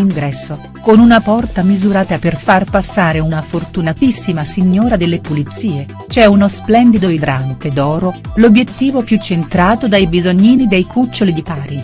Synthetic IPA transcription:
iŋɡɾɛsːo | konunapɔrt̪amizuɾaːt̪aperfarpasːaːɾeunafort̪unat̪isːimasiɲːoːɾad̪elːepulit̪sːiːe | t͡ʃɛunosplɛnd̪id̪oid̪ɾant̪ed̪ɔːɾolobjet̪ːiːvopjut͡ʃːent̪ɾaːt̪od̪ajbizoɲːiːnid̪ejkʰut͡ʃːolid̪ipaːɾi

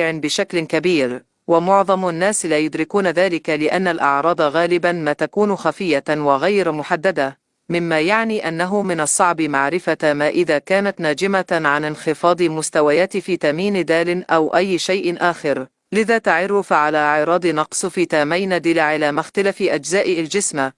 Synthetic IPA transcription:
ʕɪnbɪʃaklɪkabiːɾ | wamʊʕðˤɑmnːaːslaːjʊd̪ɾɪkuːnaðaːlɪkalɪʔanːalʔɑ̰ʕɾˤɑːd̪ˤɑɣaːlɪbanmaːt̪akuːnʊxafɪjːawaɣajɾmʊħad̪ːad̪a | mɪmːaːjaʕniːʔanːaɦʊmɪnɑsˤːɑʕbɪmaʕɾɪfamaːʔɪðaːkaːnat̪naːd͡ʒɪmaʕanɪnxɪfɑːd̪ˤɨmʊst̪awajaːt̪ɪfiːt̪amiːnɪd̪aːlɪnʔawʔajːʃajʔɪʔaːxɪɾ | lɪðaːt̪aʕʊrːʊfʕalaːʕɪɾˤɑːd̪ˤɨnɑqsˤfiːt̪aːmajnad̪ɪlaʕɪlaːmʊxt̪alafɪʔad͡ʒzaːʔɪald͡ʒɪsma

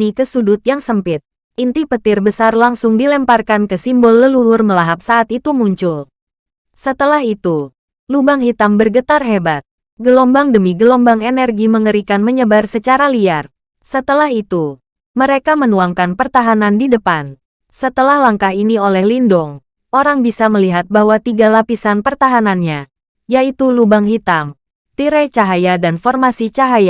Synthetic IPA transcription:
ikəsudut̪̚jaŋsəmpɪt̪̚ | ʔint̪ipət̪ɪrbəsarlaŋsʊŋdilɛmparkankəsimbɔlːəlulʊrməlaɦap̚saʔat̪it̪umuɲt͡ʃʊl | sət̪əlahit̪u | lubaŋɦit̪ambərɡət̪arɦebat̪̚ | ɡəlombaŋdəmiɡəlombaŋenɛrɡiməŋəɾikanməɲəbarsət͡ʃaɾaliar | sət̪əlaɦit̪u | məɾekamənuaŋkanpərt̪aɦanandidəpan | sət̪əlahlaŋkaɦiniolɛhlindɔŋ | ʔoɾaŋbisaməliɦat̪̚bahwat̪iɡalapisanpərt̪aɦananɲa | jait̪ulubaŋɦit̪am | t̪iɾɛt͡ʃaɦajadanfɔrmasit͡ʃaɦaja

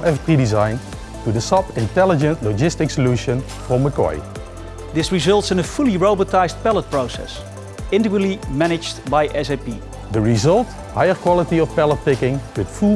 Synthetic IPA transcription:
ʔɛfpɹidizãjn | tudəsʌpɪ̃ntɛlɪd͡ʒə̃ntlod͡ʒɪstɪksəljuʃə̃n | fɹɔ̃məkɔ̰j | dɪsɹizʌlˠtsɪ̃nəfʊlˠiɹoʊbətaɪzt̚pɛlət̚pɹoʊsɛ̰s | ɪ̃ndɪkwəlimænɪd͡ʒdbajʔɛsepḭ | dəɹizʌlˠt | hajəɹkwɑlˠətiɔfpɛlət̚pɪkɪ̃ŋwɪdfu

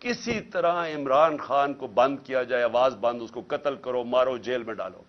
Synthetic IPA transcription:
kɪsit̪ɐɾãɪmɾaːnxaːnkobɐ̃nd̪̚kijad͡ʒaːeɐʋaːzbɐ̃nd̪ʊskokɐt̪əlkɐɾomaːɾod͡ʒeːlmẽɖa̰ːlo̰ː

